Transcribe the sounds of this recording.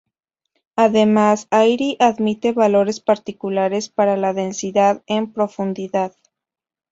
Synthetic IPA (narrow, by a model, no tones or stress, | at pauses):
aðe̞masajɾiʔaðmit̪e̞βalo̞ɾe̞spaɾt̪ikulaɾe̞spaɾalaðe̞nsiðaðempɾo̞fund̪iðað